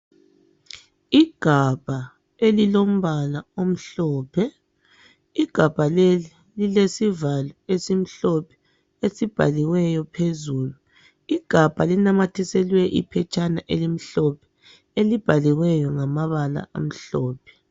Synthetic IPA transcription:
iɡ̥ʱab̥ʱa | elilom̩βalaom̩ɬɔːpʰɛ | iɡ̥ʱab̥ʱalei | lilesivalɔesim̩ɬɔpʰɛ̥ | esib̥ʱa̰liwɛjɔpʰezuːlu | iɡ̥ʱab̥ʱalinamatʰisɛlwɛʔḭpʰɛt͡ʃʼanaʔelim̩ɬɔpʰɛ̥ | elib̥ʱaliwɛjɔŋamaβala̰ʔa̰m̩ɬɔːpʰɛ̥

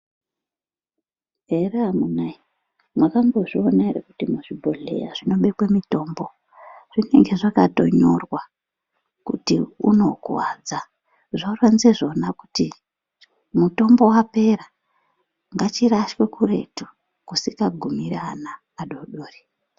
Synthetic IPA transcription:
ɦereamunai | mwakaŋɡo̞ʐio̞naeɾekutimuʐibʱo̞ɮe̞̰ja̰ʐino̞ɓe̞kwemito̞ːmbo̞ | ʐ̥ine̞̰ŋɡe̞ʐakato̞̰ɲo̞rwa | kutiuno̞kwad͡za | ʐarwanzeʐo̞nakuti | muto̞mbo̞wape̞ɾa | ŋɡat͡ʃiɾaʃwe̞kuɾe̞̰tu | kusikaɡʱumiɾaːnaː | ɗo̞ɗoːri

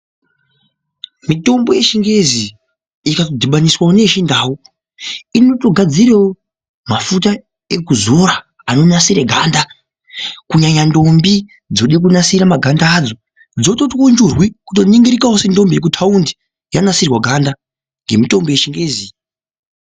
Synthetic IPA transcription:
mito̞mbo̞je̞ʃiŋɡe̞zi | ikatodʱiɓaniswane̞ʃindawu | ino̞to̞ɡʱad͡ziɾewo | mafuta | ekuzo̞ɾaː | no̞nasiɾeɡʱanda | kuɲaɲando̞mbi | d͡zo̞ɗik̬unasiɾamaɡʱandaːd͡zo̞ | d͡zo̞to̞twond͡ʒurwikuto̞niŋɡiɾikawose̞ndo̞mbijek̬utʰaundi | janasirwaɡʱanda | ŋɡemito̞mbo̞je̞ʃiŋɡe̞ːzi

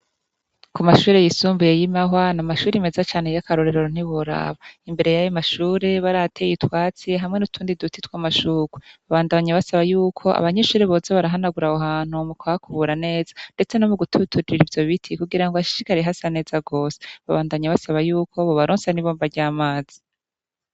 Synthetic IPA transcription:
kumaʃuːɾe̞jisuːmbuje̞jimaɦwanamaʃuːɾimezat͡ʃaːne̞jakaɾo̞ɾeɾoɾon̥iβuɾa̰βaimbe̞ɾe̞jajomaʃuːɾe̞βaɾatʰejitwaːt͡seɦamŋe̞nutʰuːndidutitwamaʃuːɡuβaβaːndaɲaβasaβajuːkʰo̞ʔa̰βaɲeʃuːɾeβo̞ːzaβaɾaɦanaɡuɾahoɦaːn̥umukaakʰuβuɾane̞ːzande̞t͡se̞no̞muɡutʰutʰuɾiɾiɾivjo̞βitʰikuɡiɾaŋɡoaʃi̥ʃikaɾeɦasane̞ːzaɡo̞ːse̥βaβaːndaɲaβasaβajuːkʰo̞βoβaɾoːnsaniβoːmbaɾɟaːmaːz̥i̥

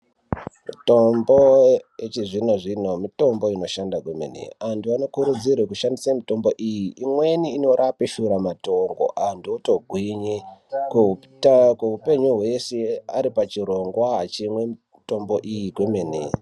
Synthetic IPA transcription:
mitomboet͡ʃiʐino̞ʐino̞mito̞mbo̞ino̞ʃandakwemḛnḛantʰuano̞kuɾud͡zirwekuʃandisamito̞mbo̞ʔijiimwe̞niːno̞ɾapeʃuɾamato̞rɡo̰ʔandʰuuto̞ɡʱwiɲek | keɦupe̞ɲuɦwe̞sea̰ɾipat͡ʃiɾo̞ŋɡwaɦat͡ʃimwe̞ | to̞mboʔijikwemenḛ

